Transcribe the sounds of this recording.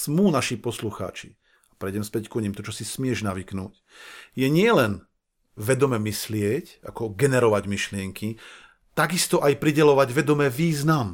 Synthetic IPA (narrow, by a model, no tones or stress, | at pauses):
smuːnaʃipɔsluxa̰ːt͡ʃi | apɾɛjɟɛmspɛckuɲimt̪ɔt͡ʃɔsismɪɛʒnaʋiknṵːc | jɛɲɪɛlɛn | ʋɛd̪ɔmɛmislɪɛca̰kɔɡɛnɛɾɔʋaɟmiʃlɪɛŋkʰi | t̪aɡist̪ɔʔajpɾiɟɛlɔʋaɟʋɛd̪ɔmɛʋiːznam